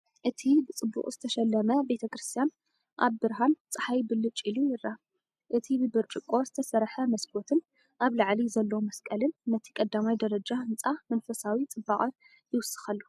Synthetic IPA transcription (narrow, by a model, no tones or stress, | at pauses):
ʔɨt̪ʰibɨt͡sʼɨbːṵχʼzɨt̪ʰɐʃɐlːɐmɐbe̞t̪ʰɐkɾɨst̪ʰijan | ʔa̰βbɨɾɦant͡sʼɨħajbɨlɨt͡ʃʼilujɪrːa | ʔɨt̪ʰibɨbɨɾt͡ʃʼɨkʼːo̞zɨt̪ʰɐsɐɾħɐmɐsbot̪ʰɨn | ʔaβlaʕlizɐlːomɐskʼɐlɨnːɐt̪ʰi̥kʼɐd̪ːamajd̪ɐɾɐd͡ʒahɨnt͡sʼamɐnfɐsawit͡sʼɨbaχʼɨ | jɪwʊsːɨ̥xɐlːu